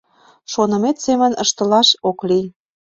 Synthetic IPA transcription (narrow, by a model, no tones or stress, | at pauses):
ʃonə̆met̪semə̆nəʃt̪ə̆lɑʃokli